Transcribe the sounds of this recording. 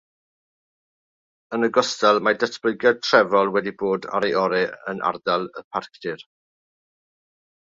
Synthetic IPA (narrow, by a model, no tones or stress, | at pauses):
ənəɡɔstɛlˠmadətʰb̥ləɨɡjatʰrɛvɔlˠwɛdiboːda̰ɾeʔɔɾɛə̰nʔa̰rdalˠəpʰarkʰd̥ɪr